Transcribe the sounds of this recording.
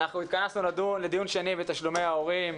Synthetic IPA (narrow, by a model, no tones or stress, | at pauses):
naχnuit̪̚kanasnulad̪unle̞d̪ijunʃenivet̪aʃlume̞jao̞ʁim